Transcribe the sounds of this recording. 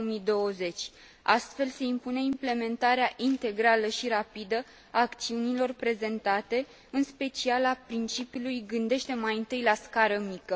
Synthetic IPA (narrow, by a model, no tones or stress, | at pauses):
mid̪o̞əze̞t͡ʃʲ | ast̪fe̞lse̞impune̞imple̞me̞nt̪aɾeaʔint̪e̞ɡɾaləʃiɾapid̪ə | aːkt̪siunilo̞rpɾe̞ze̞nt̪at̪e̞ | ɨnspe̞t͡ʃialapɾint͡ʃipjiulujɡɨnd̪e̞ʃt̪e̞majɨnt̪ɨjlaskaɾəmikə